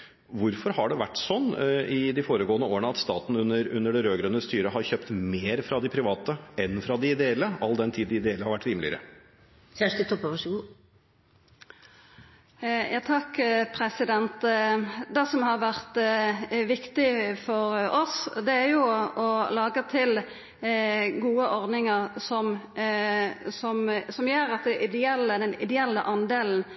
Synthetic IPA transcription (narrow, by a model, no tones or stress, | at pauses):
ʋʊɾfɔɾhɑɖɛʋæʈːsɔnːɪd̪ɪfoːɾəɡoːənəoːəɳəɑt̪st̪ɑːt̪n̩ʉnəɾʉnːəɖɛɾøːɡɾœnəst̪yːɾəɦɑɾçøːpt̪meːɾfɾɑd̪ɪpʰɾɪʋɑːt̪əɛnfɾɑd̪ɪɪd̪eɛlːəɑld̪ɛnt̪ʰiːd̪ɪɪd̪eɛləhɑɾʋæʈːɾiːmlɪ̰ə̰ɾə̰ | sæʂt̪ət̪ʰɔpːəʋɑʂɡu | jʔɑːt̪ʰɑkːpʰɾɛsɪd̪ɛnt̪d̪ɛsɔmhɑɾʋæʁt̪ | ʋɪkt̪ɪfɔɾɔsd̪ɛæɾjʊɔlɑːɡət̪ʰɪl | ɡuːəʔɔʁd̪nɪŋəʁsɔm | sɔmsɔmjøːɾɑt̪̚d̪ɛʔɪd̪ɛɛlːəd̪ɛnɪ̰d̪ɛɛlːəʔɑnd̪eːln̩